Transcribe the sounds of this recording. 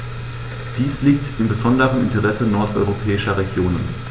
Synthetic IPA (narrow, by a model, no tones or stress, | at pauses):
d̥iːsliːk̚tɪmbəzɔndəʁənɪ̰ntəʁɛsənɔɐtʔɔ̰ʏʁopʰɛːɪʃɐʁeɡjoːnən